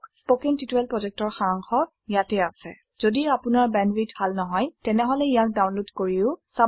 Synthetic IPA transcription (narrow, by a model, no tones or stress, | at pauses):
spokintituɛlpɹɔzɛk̚tɔɹxaɹaŋxɔ | jatɛasɛ̰ | zodiapunaɹbɛnɹitbʱalnɔɦɔjtɛnɛɦɔlɛijak̚dawnlodkoɹiʊsa